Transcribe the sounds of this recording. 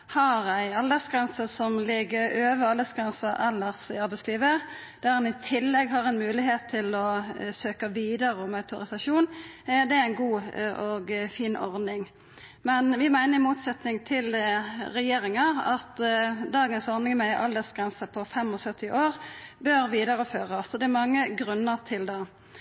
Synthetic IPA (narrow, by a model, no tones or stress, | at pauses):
hɑɾæɪɑld̪əsɡʁɛnsəsɔmlɪɡːəɾøːʋəɑləsɡʁɛnsəɛlːəʁsɪɑɾʁbæɪsliːʋə | d̪̥æʁɑnɪt̪ʰɪlːɛɡɦɑʁɛnmʉːlɪɦeːt̪ʰːɪlɔsøːkɑʋiːd̪əʁəɔmɑʉt̪ʊɾɪsɑʃuːnd̪ɛææɪnɡuːʔɔɡfiːnʔɔ̰ʁd̪nɪŋ | mɛnʋɪmæɪnəɾɪmuːt̪sɛt̪nɪŋt̪ʰɪlɾɛjeːʁɪŋɑɑt̪d̪ɑːɡənsɔʁnɪŋmɛʔɑld̪əsɡ̥ɾʁɛnsəpʰɔfɛmɔsœt̪ʰːɪʔoːʁbøɾʋiːd̪ɑʁəføːʁɑsɔd̪ɛæɾmɑŋːəɡɾʉnːəʁt̪ʰɪld̪ɑ